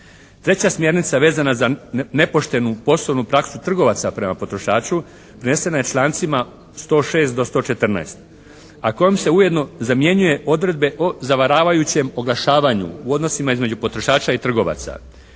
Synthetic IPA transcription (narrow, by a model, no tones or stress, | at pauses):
t̪ɾe̞t͡ɕasmje̞ɾnit̪saʋe̞ːzanazane̞po̞ʃt̪e̞nupo̞soʋnupɾaksut̪r̩ɡo̞ʋat̪sapɾe̞mapo̞t̪ɾo̞ʃaːt͡ʃu | pɾene̞se̞naje̞t͡ʃlˠaːnt̪sima | st̪o̞ːʃe̞ːst̪d̪o̞st̪o̞ːt͡ʃe̞t̪r̩na̰est̪ | ako̞jomse̞uje̞d̪no̞zamje̞ɲuje̞ʔo̞d̪ɾe̞d̪be̞ʔozaʋaɾaːʋajut͡ɕe̞mo̞ɡlˠaʃaːʋaɲṵuo̞d̪nosimaizme̞d͡ʑupo̞t̪ɾo̞ʃaːt͡ʃait̪r̩ɡo̞ʋa̰t̪sa̰